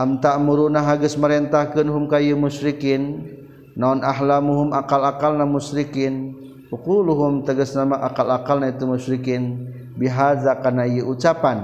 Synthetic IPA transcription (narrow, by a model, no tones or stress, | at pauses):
ʔamt̪aʔmuɾunaɦaɡəsməɾɛnt̪ahkənɦumkajəmuʃɾikɪnː | aunʔaɦlamuɦumakalakalnamusɾikɪn | ukuluɦumt̪əɡəsnamaʔakalakalnait̪umuʃɾikɪn | biɦazakanajəut͡ʃapan